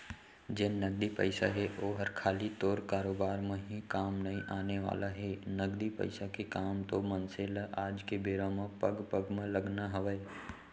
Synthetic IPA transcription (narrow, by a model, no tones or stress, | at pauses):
d͡ʒeːnəɡd̪ipə̰ɪsa̰ɦɛʔoːɦəɾkʰaːlit̪oːɾkaːɾoːbaːɾmẽɦikaːmnɐĩʔaːneʋa̰ːlaɦɛːnəɡd̪ipə̰ɪsakekaːmt̪omɐnseːlaːd͡ʒkebeːɾãmẽpəɡpəɡmẽləɡnaɦɐʋəe